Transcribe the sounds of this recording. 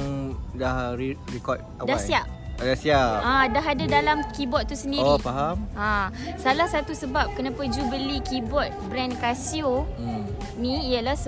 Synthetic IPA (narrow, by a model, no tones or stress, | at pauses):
dahiɾikɔt̚adasiaʔ̚ | dasiaʔãdaɦadadalamkibɔt̪̚t̪ːusəndioɾipaɦamasalahsat̪usəbap̚kənapad͡ʒubəlikibɔt̪̚bɾɛnkasio | niiəlahs